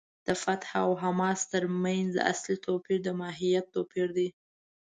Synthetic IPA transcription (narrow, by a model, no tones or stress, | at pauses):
d̪̥əfat̪hawɦamɑst̪əɾmanz̰a̰slit̪ʰopiɾd̪əmɑɦijat̪ːopiɾd̪i